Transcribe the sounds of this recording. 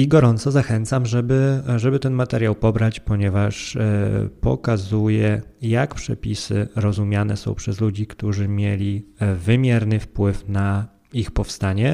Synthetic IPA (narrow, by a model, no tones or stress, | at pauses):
iɡɔɾɔnt̪sɔzaxɛnt̪samʐɛbɘʐɛbɘt̪ɛnmat̪ɛɾjawpɔbɾat͡ɕpɔɲɛvaʂ | pɔ̰kazujɛjakpʂɛpʲisɘ̰ɾɔzumʲjanɛ̰sɔ̰̃w̃pʂɛzlud͡ʑikt̪uʐɘmʲjelʲivɘmʲjɛɾnɘfpwɘfna | ixpɔfst̪aɲɛ